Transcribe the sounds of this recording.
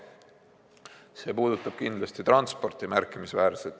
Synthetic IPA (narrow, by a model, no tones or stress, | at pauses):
se̞ːpuːd̪̥ut̪ːˑɑb̥kind̪lɑst̪it̪rɑnspo̞rt̪imærkːˑimisvæːɾset̪ː